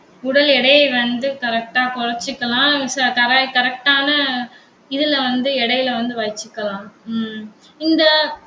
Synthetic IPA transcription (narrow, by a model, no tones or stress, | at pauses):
ʊɽɐlɛɽɐjɐʋɐnd̪ɯkɐɾɛk̚ʈaːkɔɻɐt͡ʃːɯkːɐlãːskɐɾɐkɐɾɛk̚ʈaːnɐ | ɪðɪlʋɐnd̪ɯɛɽɐjɪlʋɐnd̪ɯʋɐjt͡ʃːɯkːɐlãː | ɪnd̪ɐ